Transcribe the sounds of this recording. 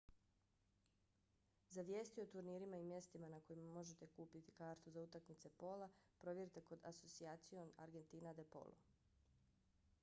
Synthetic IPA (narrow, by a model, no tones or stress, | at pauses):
zaʋje̞ːst̪iot̪uɾniːɾimaimje̞st̪imanako̞jimamo̞ʒe̞t̪e̞kuːpit̪i̥kaːɾt̪uzaut̪akmit̪se̞po̞lapɾo̞ʋje̞ɾit̪e̞ko̞d̪aso̞t̪siaːt̪sio̞na̰ɾɡe̞nt̪iːnad̪epo̞̰lˠʔṵ